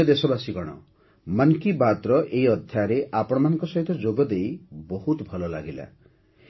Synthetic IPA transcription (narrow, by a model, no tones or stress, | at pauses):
ɔd̪esɔbasiɡɔɽ̃ɔ̰ | mankibat̪ɾɔʔeiɔd̪ʱjaɾeʔapɔɽ̃ɔmanɔ̃ŋkɔsɔɦit̪ɔd͡ʒoɡɔd̪ejbɔɦut̪bʱɔlɔla̰ɡila̰